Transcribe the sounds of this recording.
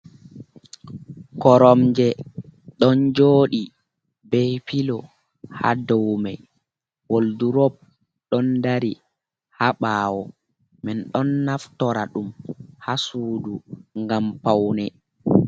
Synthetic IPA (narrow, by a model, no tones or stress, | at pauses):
kɔɾɔmd͡ʒɛɗɔnd͡ʒoːɗi | bɛjpilɔ | ha̰dɔwma̰j | wolduɾɔb̚ | ɗɔndaɾi | haɓaːwɔ | mɛnɗɔnːaftɔɾaɗumhasuːduŋɡampawnɛ